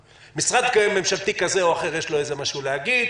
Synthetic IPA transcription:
misʁad̪kaeme̞mʃalt̪ikazeoaχeʁjeʃloezemaʃuleaɡid̪

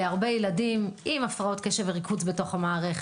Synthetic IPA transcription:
eaʁbe̞jeladimʔimafʁao̞t̪keʃeveʁikʰuzbeto̞χamaːʁeχ

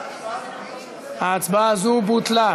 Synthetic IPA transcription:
at͡sbazubutla

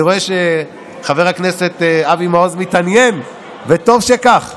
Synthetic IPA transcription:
iʁo̞eʃe | χave̞ʁhaknese̞t̪abimaozmit̪anjen | vet̪o̞vʃekaχ

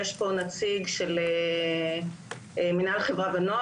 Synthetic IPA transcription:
eʃpo̞nat͡siɡʃele | eminalχevʁabeno

